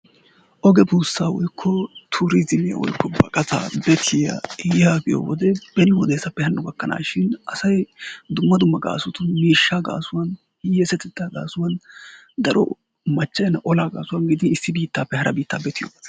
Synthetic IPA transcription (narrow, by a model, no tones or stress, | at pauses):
ʔɔɡɛbuːsːaːwɔjkʰːɔt̪ʰuːɾɪzɪmɪjɐ̰wɔ̰jkːɔbɐ̰kʼɐt̪a̰ːbɛt̪ʰɪjɐ̰jɛhaːɡɪjo̰wɔd̪ɛb̥ɛnɪwɔd̪eːsɐpːɛhɐnːʊɡɐkːɐna̰ːʃɪnʔɐsɐjd̪ʊmːɐd̪ʊmːɐɡa̰ːsʊt̪ʊmiːʃːaːɡa̰ːsʊwɐn | jɛsɛt̪ɛd̪ːaːɡa̰ːsʊwɐn | d̪ɐɾɔ̰ | mɐt͡ʃːɐjɐnːɐʔɔlaːɡa̰ːsʊwɐnɡɪd̪ɪnɪsːɪbiːt̪ːaːpːɛhɐɾʔɐbiːt̪ːaːbɛt̪ɪjo̰ːɡ̪